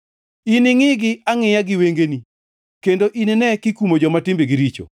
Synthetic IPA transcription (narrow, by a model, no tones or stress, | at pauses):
inɪŋɪɡɪaŋɪjaɡɪweŋɡeni | kendoʔinɪnɛkikumod͡ʒɔmatɪmbiɡiɾit͡ʃo̰